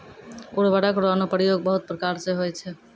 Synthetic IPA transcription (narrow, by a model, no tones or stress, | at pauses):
uɽbaɽakɾanopɾijoɡ̚bəɦut̪̚pɾəkaɾseɦojt͡ʃʰɛ